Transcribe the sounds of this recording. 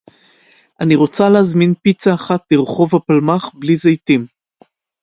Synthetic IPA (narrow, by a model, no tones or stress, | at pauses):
ʔaniʁo̞t͡saleazminpit͡saːχatliʁχo̞vapalmaχblizejtim